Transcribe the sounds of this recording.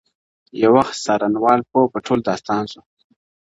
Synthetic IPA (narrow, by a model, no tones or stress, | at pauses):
jawaxsɑɾanwɑlpopəʈʰold̪ɑst̪ɑnsu